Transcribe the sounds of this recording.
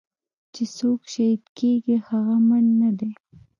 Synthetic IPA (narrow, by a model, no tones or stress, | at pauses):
t͡ʃesokʃaid̪keɡihaɣamanːad̪e